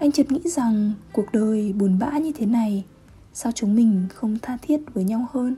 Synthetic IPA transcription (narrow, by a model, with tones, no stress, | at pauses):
ʔa˧jŋ̟t͡ɕə˨˩t̚ŋḭ˧˥za˨˩ŋku˨˩ək̚ɗəː˨˩jɓu˨˩ənɓa̰ː˧˥ɲɨ˧t̪ʰe˨˦na˨˩j | sa˧wt͡ɕʊ˨˦ŋ͡mmï˨˩ŋ̟xə˧wŋ͡mt̪ʰaː˧t̪ʰi˦˥ət̚vəː˨˦jɲa˧whəː˧n